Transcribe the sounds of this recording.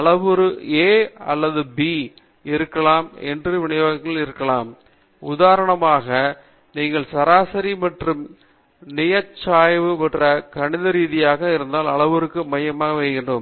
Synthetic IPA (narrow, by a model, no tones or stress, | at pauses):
ɐɭɐʋɯɾɯeːɐ̰lːɐðɯbiː | ɪɾɯkːɐɭaːmɛ̰ndrɯʋɪɳɐjoːɣɐkːɐlɪɾɯkːɐlaːm | ʊðaːɾɐɳɐmaːɣɐ | niːŋɡɐɭsɐɾaːsɐɾimɐʈrɯm | nɪjɐt͡ʃːaːjʋɯpɐʈrɐkɐɳɪðɐɾiːðɪjaːɣɐɪɾɯnd̪aːlɐɭɐʋɯɾɯkːɯmɐjɐmaːɣɐʋɛɪɣɪɳɖɯm